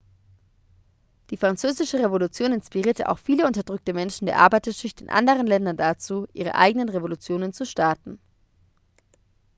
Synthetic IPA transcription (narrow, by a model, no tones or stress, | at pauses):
d̥iːfʁ̥ant͡søːzɪʃəʁevolut͡sjoːnɪnspiʁiːɐtəʔa̰ʊxfiːləʊntɐdʁʏk̚təmɛnʃn̩deːɐʔaɐbaɪtɐʃɪçtɪ̰nʔa̰ndəʁ̞ənlɛndɐndat͡suːʔiːʁ̞ə̰ʔa̰ɪɡənənʁevolut͡sjoːnənt͡suʃtaɐtn̩